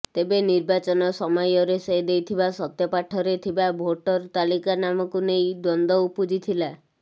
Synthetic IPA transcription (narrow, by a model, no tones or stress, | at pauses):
t̪ebeniɾbat͡ʃɔnɔsɔmɔjɔɾesed̪ejt̪ʰibasɔt̪jɔpaʈʰɔɾet̪ʰibabʱoʈɔɾt̪alikanamɔkunejd̪ɔnd̪ɔupud͡ʒit̪ʰila